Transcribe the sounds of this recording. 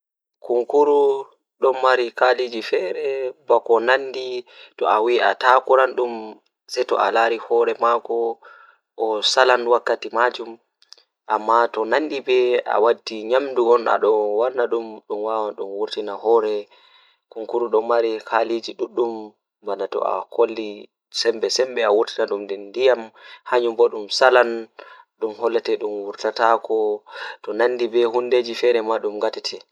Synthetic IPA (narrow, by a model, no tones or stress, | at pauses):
kuŋkuɾu | ɗɔmːaɾikalid͡ʒifɛɾɛbɔkɔnanditɔ̰awia̰takuɾanɗum | sɛtɔ̰ʔa̰laɾihɔːɾɛmakɔ | ʔɔsalanwakːatimad͡ʒum | ʔamːatɔnanɗibɛa̰wadːiɲamduɡɔna̰ɗɔwanːaɗumɗumwawaɗumwuɾtinahɔːɾɛ | kuŋkuɾuɗɔmaɾihalid͡ʒiɗuɗːum | banatɔ̰a̰kolːi | sɛmbɛsɛmbɛawuɾtinaɗumdɛndijamhaɲumbɔɗumsalan | ɗumhɔlːɛtɛɗumwuɾtatakɔtɔnandibɛhundeːd͡ʒifɛɾɛmaɗumŋɡatɛtʰɛ